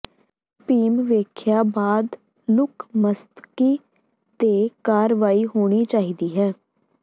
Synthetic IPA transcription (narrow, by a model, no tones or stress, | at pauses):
piːmʋeːkʰjaːbaːd̪ | lʊkʰməst̪kiː | t̪eːkaːɾʋaːiɦoːɽ̃iːt͡ʃaːɦiːd̪iːɦɛː